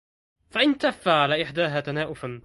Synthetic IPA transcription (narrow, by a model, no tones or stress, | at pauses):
faʔɪnt̪afːaʕalaːʔɪħd̪aːɦaːt̪anaːʔʊfan